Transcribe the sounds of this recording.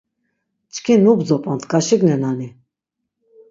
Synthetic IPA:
t͡ʃʰkʰinubzɔpʼant̪ʰkʼaʃiɡnɛnani

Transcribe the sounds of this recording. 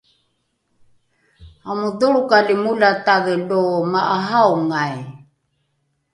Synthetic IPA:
amuduɾukalimulat̪aɡəlomaʔaɦawŋaj

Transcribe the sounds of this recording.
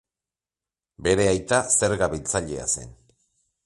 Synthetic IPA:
be̞ɾe̞ajt̪ase̞ɾɣaβilt͡saʎe̞̰a̰se̞̰n

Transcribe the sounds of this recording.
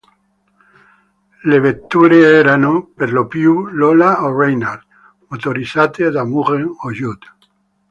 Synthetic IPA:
leβet̪ːuɾeeɾanopeɾlopjulolaorejnaɾd̪ | mot̪oɾisat̪eðamuʁeŋoʒut̪

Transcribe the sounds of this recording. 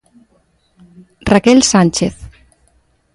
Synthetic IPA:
rakelsanʲt͡ʃeθ

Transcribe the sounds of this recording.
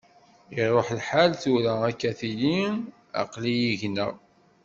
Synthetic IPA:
iɾˤoħlħalθuɾæækːæθili | ɑ̰qlijiʝnə̰

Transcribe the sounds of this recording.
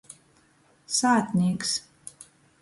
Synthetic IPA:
saːt̪nʲiɛks

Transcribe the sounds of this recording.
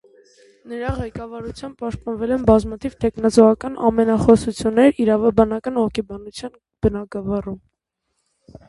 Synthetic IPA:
nəɾɑʁɛkɑvɑɾut͡sʰjɑmb̚pɑʃt̪̚pɑnvɛlɛnbɑzmɑt̪ʰivt̪ʰɛkʰnɑt͡sɔʁɑkɑnɑ̰mɛnɑχɔsut͡sʰjunːɛɾiɾɑvɑbɑnɑkɑnɔkʰɛbɑnut͡sʰjɑn | b̥ənɑɡɑvɑrum

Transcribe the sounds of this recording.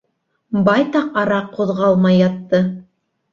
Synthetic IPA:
bɑjt̪ɑqɑɾɑqʰːuðʁɑlˠmɑjːɑt̪ːɤ

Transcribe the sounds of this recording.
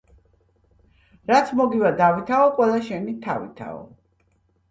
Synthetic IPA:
ɾat̪sʰmɔɡivad̪avit̪ʰaɔqʼwɛlˠaʃɛnit̪ʰavḭt̪ʰa̰ɔ̰

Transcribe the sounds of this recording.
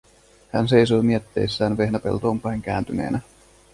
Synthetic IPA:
hæ̰ns̬e̞jsoːmiet̪ːe̞̰jsːæːnʋe̞hnæpelt̪oːmpɑjŋk̟æːnt̪yne̞̰ːnʔæ

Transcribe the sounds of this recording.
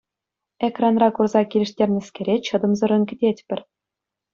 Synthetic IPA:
ekrɑnrɑkurzɑkʲilʲɘ̆ʂtʲerʲnʲɘ̆sʲkʲeɾʲet͡ɕɤ̆d̪ɤ̆mzɤ̆ɾɤ̆nkʲɘ̆dʲetʲpʲɘ̆rʲ

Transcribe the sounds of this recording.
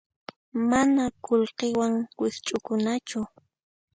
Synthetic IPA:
manakolqewaŋwɪst͡ʃʼʊkʊnat͡ʃʊ

